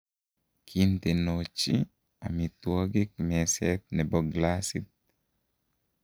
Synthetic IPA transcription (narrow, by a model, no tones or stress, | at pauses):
kʰint̪enot͡ʃi | a̰mit̪wɔɡɪk̚mɛsɛt̪̚nɛbɔɡlasḭt̪̚